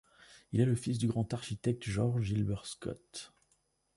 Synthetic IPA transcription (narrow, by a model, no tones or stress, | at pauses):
ilɛləfisd̪yɡʁɑ̃t̪aʁʃit̪ɛk̚t̪ʒɔʁʒilbɛʁskɔ̰t̪